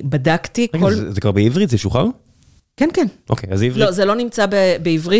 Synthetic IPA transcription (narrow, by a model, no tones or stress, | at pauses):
badakt̪ikolzekvaʁbeivʁitzeʃuχa̰ʁ | kɛnkɛnʔo̰kejazivlozelo̞nimt͡sabebeivʁi